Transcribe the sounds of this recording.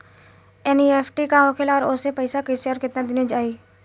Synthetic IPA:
ɛːnieːpʰʈikaɦokʰelaɔːɾosepəɪsakəɪseɔːɾkɪt̪nad̪ɪnĩd͡ʒaːiː

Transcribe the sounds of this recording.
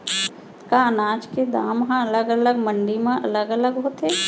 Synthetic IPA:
kaənaːd͡ʒked̪aːmɦãələɡələɡmə̃ɳɖimẽʔɐləɡələɡɦoːt̪eː

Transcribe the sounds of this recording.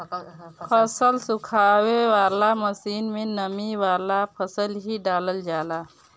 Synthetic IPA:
pʰəsəlsʊkʰaːweʋaːlaməsiːnmẽnəmiwaːlapʰəsəlɦiɖaːləld͡ʒaːla

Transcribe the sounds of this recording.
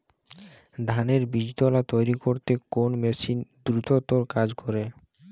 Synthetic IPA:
d̪ʱaneɾbid͡ʑd̪olat̪ojɾikoɾt̪ekonmeʃind̪ɾut̪ot̪oɾkad͡ʑkɔɾe

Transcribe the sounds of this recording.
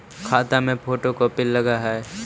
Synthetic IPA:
kʰaːt̪amẽpʰoːʈokopɪlːəɡaɦɛː

